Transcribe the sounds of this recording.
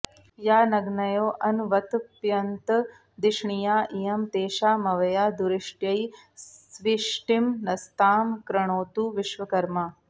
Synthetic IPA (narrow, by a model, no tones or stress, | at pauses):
jaːnɐɡnɐjoːʔɐnʋɐt̪pjɐnt̪ | d̪iʂɳijaːʔijɐmt̪eːʃaːmɐʋɐjaːd̪uɾiʂʈjɐj | ʋiʂʈimnɐst̪aːmkɾɐɳ̃oːt̪uːʋiʃʋɐkɐɾma